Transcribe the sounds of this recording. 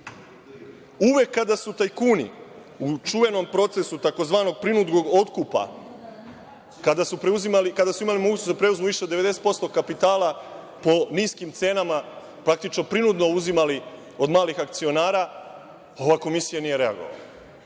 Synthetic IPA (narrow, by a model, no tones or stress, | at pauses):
uʋje̞kːad̪asut̪ajkuːnḭ | ut͡ʃuʋe̞no̞mpɾo̞t̪se̞sut̪ako̞zʋaːno̞ɡ̚pɾinud̪ɡo̞ɡo̞t̪kupa̰ | kad̪asupɾeuzimalikad̪asuimalimoɡuːt͡ɕesd̪apɾe̞uzmuʋiʃeo̞d̪eʋe̞d̪e̞set̪̚po̞st̪o̞kapit̪aːla | po̞niːskimt̪se̞ːnama | pɾak̚t̪it͡ʃno̞pɾinud̪no̞uzimali | o̞d̪maːlixakt̪sio̞naːɾa | o̞ʋako̞misijanije̞ɾe̞a̰ɡo̞̰ʋa̰la